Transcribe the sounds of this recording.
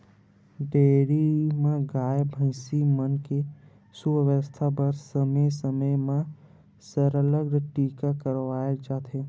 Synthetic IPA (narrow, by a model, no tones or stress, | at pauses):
ɖeːɾimãɡaːjbʱə̃ɪ̃simənke | suəʋəst̪ʰabəɾsəməsəməjmã | səɾələɡɽʈiːkakəɾʋaːed͡ʒaːt̪ʰe